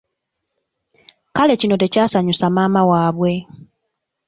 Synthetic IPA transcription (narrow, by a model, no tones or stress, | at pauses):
kale̞cino̞te̞caːsaɲusamaːmawaːβwe̞